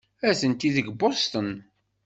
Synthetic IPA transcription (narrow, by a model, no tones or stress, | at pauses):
æθənt̪iðəɡbost̪ən